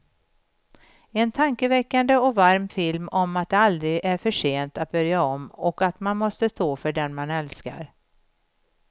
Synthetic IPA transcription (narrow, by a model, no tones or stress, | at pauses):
ɛnt̪ʰaŋkəvɛkːand̪əɔkvaɾmfɪlmɔmat̪̚d̪ɛald̪ɾɪɡʔæɾfœʂeːnt̪at̪̚bœɾjaɔmːɔkat̪manmɔst̪əst̪oːfœɖɛnmanɛlska̰ɾ